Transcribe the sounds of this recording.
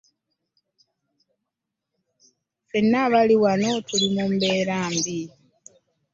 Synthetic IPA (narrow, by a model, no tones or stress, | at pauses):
fenːaβaliwano̞tulimumbe̞ːɾaːmbi